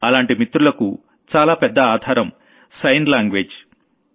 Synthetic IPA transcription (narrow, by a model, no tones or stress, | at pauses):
ɐlaːɳʈimit̪ɾulɐku | t͡ʃaːlaːpɛd̪ːɐaːd̪ʱaːɾɐm | sɐjnlaːŋɡʋeːd͡ʒ